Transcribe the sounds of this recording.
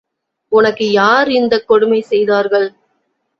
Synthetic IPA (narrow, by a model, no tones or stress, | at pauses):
ʊnɐkːɯjaːɾɪnd̪ɐkːɔɽɯmɐɪsɛjðaːɾɣɐɭ